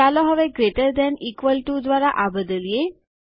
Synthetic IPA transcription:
alɔɦəʋeɡɾeʈəɾd̪ɛnikʋəlʈud̪ʋaɾaʔabəd̪əlije

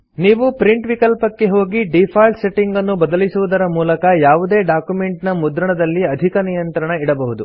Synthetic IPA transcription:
niːʋupɾiɳʈʋikɐlpɐkːe̞ɦo̞ːɡiɖipʰaːlʈse̞ʈːiŋɡɐnːubɐd̪ɐlisuʋud̪ɐɾɐmuːlɐkɐjaːʋud̪e̞ːɖaːkjumeɳʈnɐmud̪ɾɐɳɐd̪ɐlːiɐd̪ʱikɐnijɐnt̪ɾɐɳɐiɽɐbɐɦud̪u

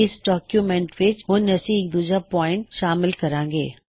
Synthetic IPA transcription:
ɪsɖɔːkjumẽːɳʈʋɪt͡ʃɦʊ̃nɐsĩek̚d̪uːd͡ʒapɔːɪ̃ɳʈʃaːmɪlkɐɾãːŋɡḛː

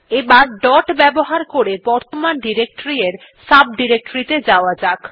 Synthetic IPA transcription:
ebaɾɖɔʈbɛboɦaɾkoɾebɔɾt̪omanɖiɾek̚ʈoɾieɾ | sab̚ɖiɾek̚ʈoɾit̪ed͡ʑaoad͡ʑak

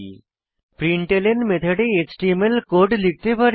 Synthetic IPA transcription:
pɾiɳʈelenmet̪ʰeɖeet͡ɕʈiemelkoɖlik̚ʰt̪epaɾ

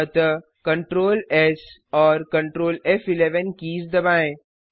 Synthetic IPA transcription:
ət̪ə | kɐ̃ɳʈɾoːles | ɔːɾkɐ̃ɳʈɾoːlɛfɪleʋənkiːsd̪ɐbaːẽ

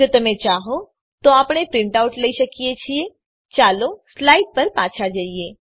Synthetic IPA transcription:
oːt̪ɐmẽt͡ʃaːɦo | t̪oaːpɽ̃epɾɪ̃ɳʈaʊʈlɐiʃəkijet͡ʃʰie | t͡ʃaːloslaːiʈ̚pəɾpaːt͡ʃʰad͡ʒaieː

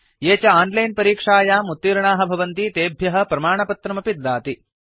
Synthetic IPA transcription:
jeːt͡ʃɐaːnlɐjnpɐɾiːkʂaːjaːmut̪ːiːɾɐɳaːɦɐbʱɐʋɐnt̪it̪eːbʱjɐɦɐ̆pɾɐmaːɳɐpɐt̪ɾɐmɐpid̪ːaːt̪i

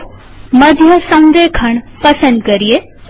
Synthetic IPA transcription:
mɐd̪ʱjəsɐ̃nd̪ekʰɐɳ̃pɐsə̃nd̪̚kɐɾie

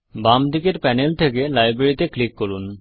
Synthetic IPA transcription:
bamd̪ikeɾpɛnelt̪ʰekelajbɾeɾit̪eklikːoɾun

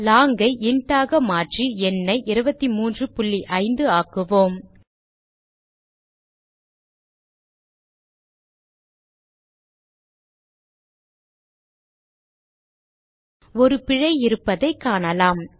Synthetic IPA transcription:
laːŋɡɐɪʔɪɳʈaːɣɐmaːʈriɛnːɐɪʔɪɾɯbɐt̪ːimuːndrɯpʊlːiʔɐɪnd̪ɯaːkɯʋoːm | ɔɾɯpɪɻɐɪɪɾɯpːɐðɐɪkːaːnɐlaːm

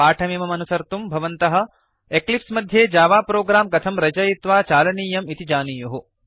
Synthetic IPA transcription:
aːʈʰɐmiːmɐmɐnusɐɾt̪umbʱɐʋɐnt̪ɐɦɐ̆ | eklipsmɐd̪ʱjeːd͡ʒaːʋaːpɾoːɡɾaːmkɐt̪ʰɐmɾɐd͡ʒɐjit̪ʋaːt͡ʃaːlɐniːjɐmit̪id͡ʒaːniːjuɦu

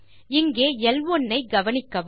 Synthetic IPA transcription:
ɪŋɡeːɛlʋɔnːɐɪɡɐʋɐnɪkːɐʋ

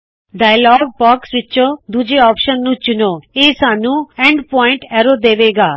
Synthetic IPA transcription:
ɖaːjlɔːɡ̚bɔːksʋɪːt͡ʃod̪ud͡ʒeɔːpʃənːũt͡ʃʊnoeːsaːnũeɳɖpɔːɪ̃ɳʈeɾod̪eːʋeːɡaː

